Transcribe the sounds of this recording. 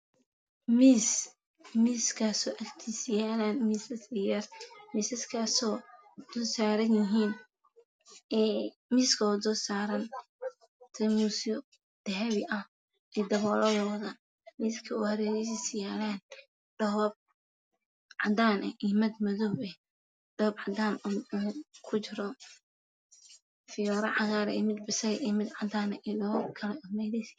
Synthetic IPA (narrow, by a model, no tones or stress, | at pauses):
miːs | miːskʰaːsɔːʔɐkt̪ʰisjaːlaːnmiːsɐsɪjɐrmiːsɐskʰaːsɔː | d̪̥ɔsaːɾɐnjɪɦiːn | miːskʰɐd̪ɔsaːɾɐn | t̪ʰɛmuːsɔ | d̪̥ɐɦɛβɪʔɐh | ɛd̪ɐβɔːlɐðɔːðɐ | miskʰɐuːhɐɾɛːɾɛs̬ɪsjaːlaːn | ɖ̥ɐɔːb̚ | ʕɑd̪aːnʔɛ̰ʔimɐd̪mɐðɔwɛ | ɖ̥ɔːbʕɑd̪aːnː | kʰʊt͡ʃɪɾɔ | fɪjɔːɾɐʕɑɣaːɾɛ̰mɪd̪̚bɪsɐɣʔimɪd̪ʕɑd̪aːnɛʔiɖɐɔːb̚kʰɐlɛʊmɛðɛs